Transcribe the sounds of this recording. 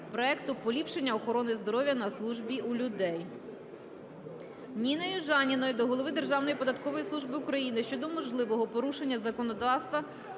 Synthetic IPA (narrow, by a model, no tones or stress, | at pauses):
pɾɔɛkt̪ʊpɔlʲipʃenʲːɐɔxɔɾɔnɪzd̪ɔɾɔʋʲjɐnɐslˠuʒbʲiʔulʲʊd̪ɛj | nʲinɛjʊʒɑnʲinɔjʊd̪ɔɦɔlˠɔʋɪd̪e̞rʒɑwnɔjipɔd̪ɐt̪kɔʋɔjisˠuʒbɪukɾɐjinɪʃt͡ʃɔd̪ɔmɔʒlˠɪʋɔɦɔpɔɾuʃe̞nʲːɐzɐkɔnɔd̪ɑwst̪ʋɐ